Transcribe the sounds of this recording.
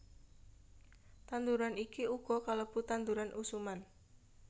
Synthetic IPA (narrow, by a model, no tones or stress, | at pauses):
t̪and̪uɾanikiuɡ̥ɔ̤kaləb̥ṳt̪and̪uɾanʔusuman